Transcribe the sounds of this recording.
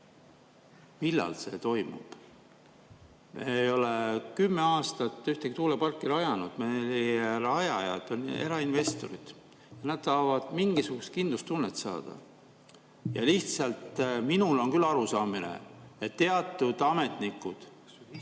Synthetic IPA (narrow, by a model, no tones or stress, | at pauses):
milːɑ̰lse̞̰t̪o̞jmṵb̥ | mḛejo̞lekymːe̞ɑːst̪ɑt̪ːˑyht̪ekit̪uːlepɑrkˑːiɾɑjɑnud̪̥meliɾɑjɑjɑ̰t̪o̞ne̞̰ɾɑinve̞st̪o̞ɾid̪̥ | jɑnæd̪̥sɑːvɑd̪̥miŋɡisuɡ̥ust̪̚kind̪lust̪ːunːet̪sɑ̰ːd̪̥ɑ̰ | jɑ̰liht̪sɑlt̪ːminulo̞nkylːɑɾusɑːminḛet̪ːe̞ɑt̪ːˑud̪̥ɑme̞t̪nikːˑud̪̥